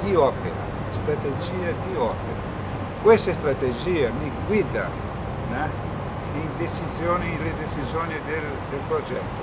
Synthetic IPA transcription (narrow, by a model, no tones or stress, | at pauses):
d̪̥iɔːpeɾa̰ | st̪ɾat̪ed͡ʒiːad̪iɔpeɾa | kwest̪est̪ɾat̪ed͡ʒiːamiɡwid̪a | nɛ | lind̪et͡ʃizjoːniled̪et͡ʃizjɔːnid̪el | d̪elpɾod͡ʒɛt̪ːo